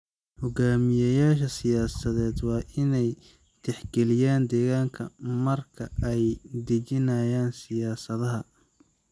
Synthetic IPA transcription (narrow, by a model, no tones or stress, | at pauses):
hʊɡaːmɪjɐjaːʃɐsɪjaːsɐðɛːd̪wɑːʔɪnɛj | t̪ʰɪħɡɛlɪjaːnd̪ɛːɣaːŋkʰɐmɐrkʰɐʔɛjd̪ɪt͡ʃɪnɐːjaːnsɪjaːsɐðɐɦɐ